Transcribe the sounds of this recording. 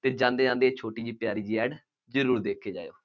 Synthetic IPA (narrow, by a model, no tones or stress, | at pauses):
t̪eːd͡ʒãːnd̪eːd͡ʒãːnd̪eːeːt͡ʃʰoːʈiːd͡ʒiːpjaːɾiːd͡ʒiːɛːɖ | d͡ʒəɾuːɾd̪eːkʰeːd͡ʒa̰ːeo̰ː